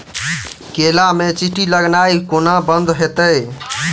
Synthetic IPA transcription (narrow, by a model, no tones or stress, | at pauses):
kelamet͡ʃiʈiləɡnaikonabənd̪ɦet̪əj